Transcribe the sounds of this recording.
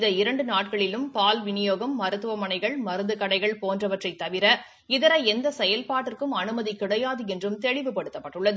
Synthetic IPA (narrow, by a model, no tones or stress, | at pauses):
ðɐɪɾɐɳɖɯnaːʈ̚kɐɭɪlɯmpaːlʋɪnɪjoːɣɐmːɐɾɯt̪ːɯʋɐmɐɳɐɪɣɐɭmɐɾɯnd̪ɯkɐɽɐɪɣɐɭpoːndrɐʋɐʈrɐɪt̪ːɐʋɪɾɐ | ɪðɐɾɐɪɛnd̪ɐsɛjɐlpaːʈːɪrkɯmɐnɯmɐðikɪɽɐjaːðɯɛndrɯmt̪ɛɭɪʋɯpɐɽɯt̪ːɐpːɐʈːɯɭːɐðɯ